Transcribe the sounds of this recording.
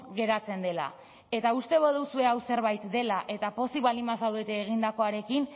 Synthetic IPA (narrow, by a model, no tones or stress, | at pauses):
ɣe̞ɾat͡se̞nd̪e̞la̰ | e̞t̪aust̪e̞βoðusue̞awse̞ɾβajt̪d̪e̞laʔe̞t̪apo̞siβalimas̬awðet̪eːɣ̞ind̪ako̞aɾe̞kin